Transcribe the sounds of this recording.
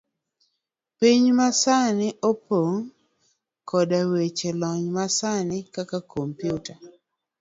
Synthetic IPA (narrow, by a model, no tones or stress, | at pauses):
piɲmasanɪʔopoŋ | kɔdawet͡ʃelɔɲmasanɪkakakompjuta